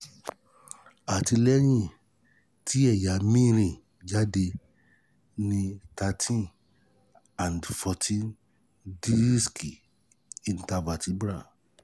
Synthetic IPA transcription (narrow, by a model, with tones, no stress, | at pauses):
a˨ti˧lɛ˦j̃ĩ˦˨ | tʰi˦ɛ˦˨ja˨˦mĩ˦˧˦ɾ̃ĩ˧˨ | d͡ʒa˦de˧ | nĩ˧ta˧tʰĩ˦n | ã˨n˨dfɔ˧tʰĩ˦n | di˦i˦ski˨ | i˨n˨ta˧va˨ti˨˦bɾa˦˨